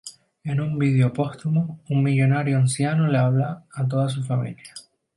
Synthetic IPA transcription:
e̞numbið̞eopo̞st̪umoummiʎo̞naɾjoansjanoleaβ̞laːt̪̬o̞ðas̬ufamḭlja

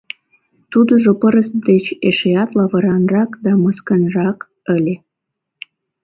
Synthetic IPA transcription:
t̪ud̪əʒopəɾəsd̪et͡ɕeʃeɑt̪lɑβəɾɑnrɑkd̪ɑməskənrɑk | əlʲe

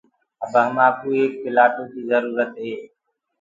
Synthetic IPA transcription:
əbəɦəmaːpuːeːk̚pɪlaːʈõːkiːzəɾuːɾət̪ɦeː

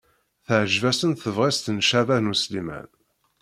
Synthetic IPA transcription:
θəʕʒvæsənθəvʁist̪nʃævænuslimæ̰n

